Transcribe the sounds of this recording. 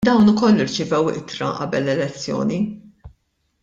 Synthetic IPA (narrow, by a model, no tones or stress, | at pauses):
d̪ɐwnʊkɔlːɪɾt͡ʃɪvɛwʔɪ̰t̪ɾɐ̰ʔɐ̰bɛlːɛlɛt͡sːjɔ̰ːni